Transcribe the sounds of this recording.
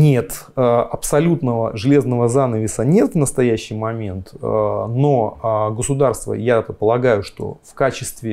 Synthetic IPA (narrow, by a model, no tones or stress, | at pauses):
nʲe̞t̪ | əʔɐpsɐlʲut̪nəvəʐɨlʲe̞znəvəzanəvʲɪsənʲe̞t̪vnəst̪ɐjæɕːɪjmɐmʲe̞nt̪no̞ɡəsʊd̪arst̪və̰jaɛt̪əpəlˠɐɡajʊʂt̪o̞̰fkat͡ɕɪst̪vʲɪ